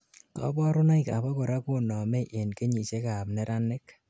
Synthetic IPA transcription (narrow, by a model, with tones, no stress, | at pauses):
kɔ̰˦bɔ˦ɾʊ˦nɔ˦ika̰˨bɔ˦kʊ˨ɾa˦ku˦nɔ˨me˦ʔe˨nke˦ɲi˨t͡ʃe˦ka˨p̚nɛ˦ɾa˦nɪ˦k